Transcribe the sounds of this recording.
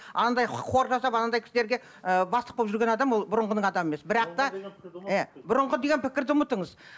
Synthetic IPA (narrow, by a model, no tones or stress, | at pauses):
ɑ̰nɑnd̪ɑjqʰo̞ɾʒɑsɑpɑnɑnd̪ɑjkʲʰɪsɪd̪eɾɡʲe̞ | əbɑst̪əq̚bolˠpʒʏɾɡʲenɑd̪ɑmwo̞lˠbʊɾəɴʁənəɴɑd̪ɑmemesbɪɾɑq̚t̪ɑebʊɾəɴʁəd̪e̞ɡʲenpʰɪkʲɪɾd̪ɪʊmət̪əɴəz